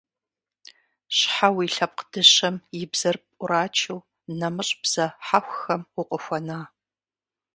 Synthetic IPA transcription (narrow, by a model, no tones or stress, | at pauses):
ɕħawiɬɐp̚qd̥ɨɕɐmjɪbz̥ɐrpʼʊɾaːt͡ʃʰɨw | nɐmɨɕʼb̥z̥ɐħaxʷxɐmʊqʼəxʷɔnaː